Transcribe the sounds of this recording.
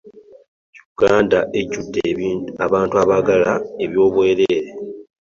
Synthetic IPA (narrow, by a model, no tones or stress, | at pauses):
juɡ̥aːndaʔe̞ɟudːeaβaːntuaβaɡalae̞βjo̞ːβwe̞ːɾeːɾe